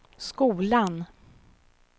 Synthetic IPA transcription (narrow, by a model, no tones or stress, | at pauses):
skuːlan